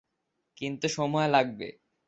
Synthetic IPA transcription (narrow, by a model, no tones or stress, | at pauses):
kint̪uʃɔmɔelaɡ̚bḛ